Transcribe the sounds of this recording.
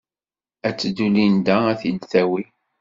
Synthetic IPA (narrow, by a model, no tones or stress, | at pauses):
æt͡sːd̪ulind̪ææθid̪θæwi